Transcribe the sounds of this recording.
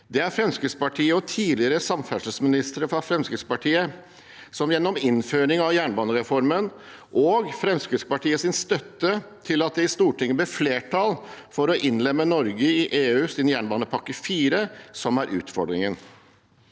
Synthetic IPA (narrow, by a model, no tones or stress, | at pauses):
d̪ɛæɾfɾɛmskɾɪt̪spɑʈʰiːəɔt̪ʰiːlɪəɾəsɑmfæʂəsmɪnɪst̪əɾəfɾɑfɾɛmskɾɪt̪spɑʈʰiːə | sɔmjɛnːɔmɪnføːɾɪŋɑʋjæːɳbɑːnəɾɛfɔɾmən | ʔɔɡfɾɛmskɾɪt̪spɑʈʰiːəsɪnst̪œt̪ːət̪ʰɪlɑt̪̚d̪ɛɪst̪uːʈʰɪŋːəbɛfleːʈʰɑlfɔɾɔʔɪnlɛmːənɔɾɡəɪʔeːʉːsɪnjæːɳbɑːnəpʰɑkːəfiːɾəsɔmæɾʔʉ̰ːt̪fɔɖɾɪŋən